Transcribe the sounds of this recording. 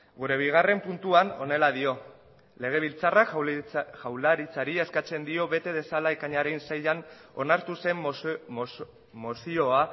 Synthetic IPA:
ɡuɾe̞β̞iɣ̞are̞mpunt̪uano̞̰ne̞laðio̞ | le̞ɣ̞e̞β̞ilt͡sarakʝawlaɾit͡saɾieskat͡se̞nd̪io̞βe̞t̪e̞ðe̞salaekaɲaɾensajʎan | o̞̰naɾt̪use̞m | mosio̞a

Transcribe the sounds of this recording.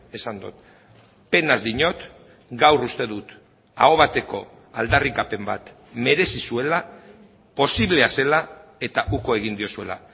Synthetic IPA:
e̞sand̪ut̪̚ | pe̞nazd̪iɲo̞t̪ | ɡawrust̪e̞ðut̪ | a̰o̞βat̪e̞ko̞ | ald̪arikape̞mba̰t̪ | me̞ɾe̞sisue̞la | po̞siβle̞ase̞lae̞t̪aʔuko̞e̞ɣ̞ind̪io̞sue̞la̰

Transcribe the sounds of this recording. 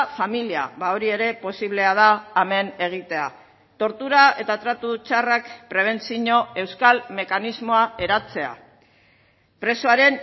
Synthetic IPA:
familia̰βaoɾie̞ɾe̞po̞siβle̞að̞aːme̞ne̞ɣ̞it̪e̞a | t̪o̞ɾt̪uɾae̞t̪at̪ɾat̪ut͡ʃarakpɾe̞β̞e̞nt͡siɲo̞e̞wskalme̞kanizmo̞ae̞ɾat͡se̞a̰ | pɾe̞soaɾe̞n

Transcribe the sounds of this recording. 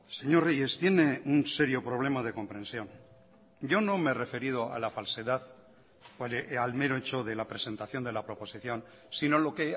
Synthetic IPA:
se̞ɲo̞reje̞st̪je̞ne̞unse̞ɾjo̞pɾo̞β̞le̞mað̞e̞ko̞mpɾẽ̞nsjo̞n | ɟ͡ʝo̞nõ̞mere̞fe̞ɾið̞o̞a̰lafalse̞ðað | lalmeɾoet͡ʃoðe̞lapɾe̞se̞nt̪aθjo̞nd̪e̞lapɾo̞po̞siθjo̞n | sino̞lo̞ke̞

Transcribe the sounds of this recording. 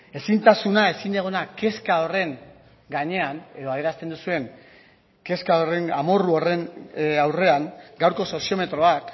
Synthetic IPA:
e̞sint̪asunae̞sind̪eɣ̞onake̞skao̞re̞ŋ | ɡaɲe̞ane̞ðo̞aðeɾast̪e̞nd̪usue̞ŋ | ke̞skaore̞ŋamo̞ruo̞re̞nawre̞aŋɡawɾko̞so̞sio̞me̞t̪ɾo̞ak

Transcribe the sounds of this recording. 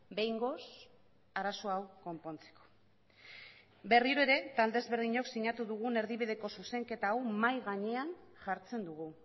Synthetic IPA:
be̞jŋɡo̞s | aɾaso̞awko̞mpo̞nt͡se̥ko̥ | be̞riɾoe̞ɾe̞t̪ald̪e̞zβe̞ɾðiɲo̞ksiɲat̪uðuɣ̞une̞ɾðiβið̞e̞ko̞suse̞ŋke̞t̪aːwmajɣaɲe̞anʝaɾt͡se̞nd̪uɣ̞u

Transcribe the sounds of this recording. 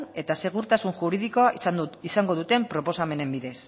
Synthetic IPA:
ne̞t̪ase̞ɣ̞uɾt̪asuŋʝuɾiðiko̞aʔisnisaŋɡo̞ðut̪e̞mpɾo̞po̞same̞ne̞mbiðe̞s

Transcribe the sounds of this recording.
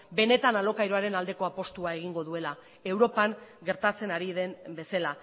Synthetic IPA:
be̞ne̞t̪analo̞kajɾo̞aɾe̞nald̪e̞ko̞apo̞st̪uae̞ɣ̞iŋɡo̞ðue̞la | e̞wɾo̞paŋɡe̞ɾt̪at͡se̞naɾiðe̞mbe̞sala

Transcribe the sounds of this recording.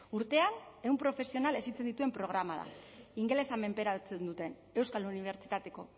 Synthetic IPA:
uɾt̪e̞ane̞umpɾo̞fe̞sio̞nale̞sit͡send̪it̪ue̞mpɾo̞ɣ̞ɾamað̞a̰iŋɡe̞le̞same̞mpe̞ɾat͡send̪ut̪e̞n | e̞wskaluniβ̞e̞ɾt͡ʃit̪at̪e̞ko̞̰

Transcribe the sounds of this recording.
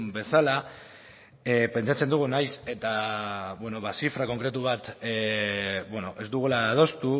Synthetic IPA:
be̞sala | epe̞nt͡ʃat͡se̞nd̪uɣ̞unajse̞t̪aβweno̞βasifɾako̞ŋkɾe̞t̪uβat̪ | bweno̞ʔe̞zd̪uɣ̞ulaːð̞o̞st̪u

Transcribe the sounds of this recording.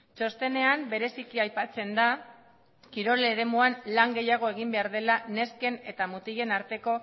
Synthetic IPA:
t͡ʃo̞st̪e̞ne̞ambe̞ɾe̞sikiajpat͡se̞nd̪a | kiɾo̞leɾe̞muanlaŋɡe̞jaɣ̞o̞e̞ɣ̞imbe̞aɾðe̞lane̞ske̞ne̞t̪amut̪iʎe̞naɾt̪e̞ko̞

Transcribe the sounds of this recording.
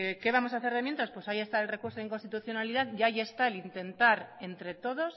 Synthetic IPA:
eke̞βamo̞saθe̞ɾemje̞nt̪aspwe̞saje̞st̪aelre̞kuɾsoeŋkost̪it̪uθjo̞naliðaðʝaje̞st̪aelint̪e̞nt̪aɾe̞nt̪ɾe̞t̪o̞ðos

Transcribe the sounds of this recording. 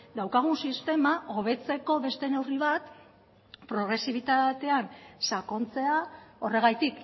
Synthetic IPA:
d̪awkaɣ̞unsist̪e̞maʔo̞β̞e̞t͡se̞ko̞βe̞st̪e̞ne̞wriβat̪ | pɾo̞ɣɾe̞siβ̞it̪at̪e̞ansako̞nt͡se̞ao̞re̞ɣajt̪ik

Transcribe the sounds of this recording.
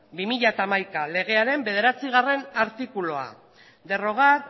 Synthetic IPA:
bimiʎat̪aːmajkale̞ɣ̞e̞aɾe̞mbe̞ðe̞ɾat͡siɣ̞are̞naɾt̪ikulo̞a̰ | d̪e̞ro̞ɣ̞at

